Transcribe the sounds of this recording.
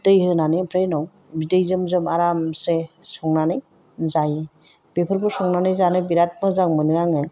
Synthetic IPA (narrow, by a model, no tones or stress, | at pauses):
tɯjɦɯnanɯjpʰɾejnɔw | bidejzɯmzɯmaɾamsesɔŋnanɯj | zaje | b̥epʰɯɾbʰɯsɔŋnanɯjzanɯjbiɾat̚mɯzaŋmɯnɯɾaŋɯ